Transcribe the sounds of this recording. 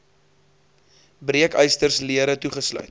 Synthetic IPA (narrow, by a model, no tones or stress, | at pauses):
briəkœjstərsliəɾətuχəslœ̰ɥt